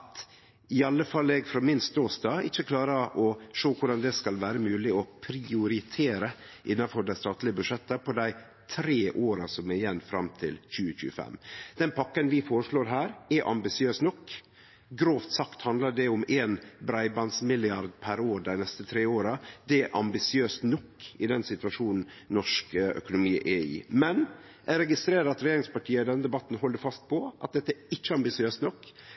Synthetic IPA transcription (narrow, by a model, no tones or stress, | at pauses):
ɑt̪ | ɪɑlːəfɑlːɛɡfɾɑːmɪnst̪oːst̪ɑːɪçːəkʰlɑːɾəʔɔʂoːkʰʊɖɑnd̪ɛskɑlʋæːɾəmʉːlɪɔpʰɾɪʊɾɪt̪ʰeːɾə | ʔɪnːɑfɔɖæɪst̪ɑːt̪lɪəbʉʂɛt̪ːəpʰɔd̪æɪ | t̪ʰɾeːʔoːɾɑsɔmɛjɛnːfɾɑ̰mt̪ʰɪ̰lçʉːəçʉ̰ːəfɛ̰mːd̪̥ɛnpʰɑkːənʋɪfoːɾəʂɭoːɾɦæːɾɛʔɑ̰mbɪsɪøːsnɔkː | ɡɾoːft̪sɑkt̪hɑnd̪ləɖɛʊmeːnbɾɑɪbɑnsmɪlɪɑɾd̪pʰæɾoːɾɖ̪æɪnɛst̪ət̪ʰɾeːoːɾɑd̪̥ɛæʔɑmbɪsɪøːst̪nɔkːɪd̪ɛnsɪt̪ʉʋɑʂuːnn̩ | nɔʂkœ̰kʊnʊmiːʔɛḭːmɛn | ʔæɾɛɡɪst̪ɾeːɾəɾɑt̪ɾɛjeːɾɪŋspɑʈʰiːəɪd̪ɛnːəd̪ɛbɑt̪ːn̩hɦɔlːəɾfɑst̪̚pʰɔʔɑt̪̚d̪ɛt̪ːəæɾɪt͡ʃːəɑmbɪsɪøːst̪nɔkː